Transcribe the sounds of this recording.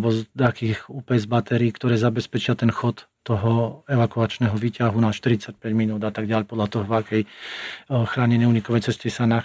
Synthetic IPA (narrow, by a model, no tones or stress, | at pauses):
bɔzd̪akiːxuːpɛzbat̪ɛɾiːkt̪ɔɾɛːzabɛspɛt͡ʃɪat̪ɛnxɔt̪ːɔɦɔɛʋakuat͡ʃnɛːɦɔʋiːcaɦunaʃt̪iɾit͡sac̚pɛɟminuːd̪at̪aɡɟɪaʎpɔd̪ʎat̪ɔɦɔvakɛj | xɾaːɲɛnɛuːɲikɔʋɛjt͡sɛscisana